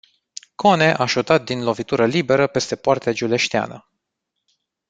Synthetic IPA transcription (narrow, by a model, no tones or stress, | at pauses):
kʰo̞ne̞ʔaʃut̪at̪̚d̪inlo̞vit̪uɾəlibe̞ɾəpe̞st̪e̞poart̪ead͡ʒule̞ʃt̪ea̰nə